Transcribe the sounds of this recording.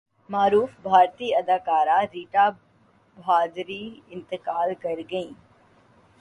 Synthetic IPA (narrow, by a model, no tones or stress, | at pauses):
maːɾuːfbʱaːɾt̪iːɐd̪aːkaːɾaɾiːʈa | bʱaːd̪ɾiɪ̃nt̪ɪkaːlkɐɾɡɐĩː